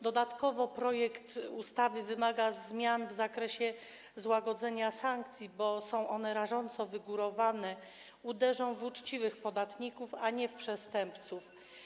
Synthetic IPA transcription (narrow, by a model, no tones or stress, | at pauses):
d̪ɔd̪at̪kɔvɔpɾɔjɛkt̪ust̪avɘvɘmaɡazmʲjanvzakɾɛɕɛ | zwaɡɔd̪zɛɲasaŋkt̪sʲjibɔsɔ̃w̃ʔɔnɛɾaʐɔnt̪sɔvɘɡuɾɔvanɛ | ud̪ɛʐɔ̃w̃vut͡ʂt͡ɕivɘxpɔd̪at̪ɲikufaɲɛfpʂɛst̪ɛmpt̪suf